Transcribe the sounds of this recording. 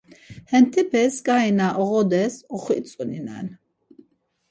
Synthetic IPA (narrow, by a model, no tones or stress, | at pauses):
hɛnt̪ʰɛpʰɛsɡainaʔɔʁɔd̪ɛsɔχwḭt͡sʼunina̰n